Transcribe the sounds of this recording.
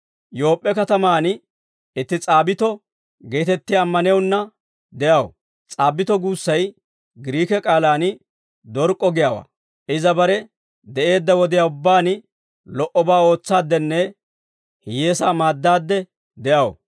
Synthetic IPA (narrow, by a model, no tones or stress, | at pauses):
jo̞ːpʼːɛkɐt̪ɐmaːn | ɪt̪ːɪt͡sʼaːbɪt̪ɔ | ɡeːt̪ɛt̪ːɪjaːmːɐnjɐwnːɐ | d̪ɛjɐwɔ̰ | t͡sʼaːbːɪt̪ɔɡuːsːɐj | ɡɪɾiːkɛkʼaːlaːnɪ | d̪ɔɾkʼːɔɡɪjaːwa̰ː | ʔɪzɐbɐɾɛ | d̪ɛʔe̞ːd̪ːɐwɔd̪ɪjaːʊbːaːnɪ | lɔʔɔbaːo̞ːt͡sːaːd̪ːɛnːɛ | hɪjeːsaːmaːd̪ːaːd̪ːɛ | d̪ɛʔɐwɔ̰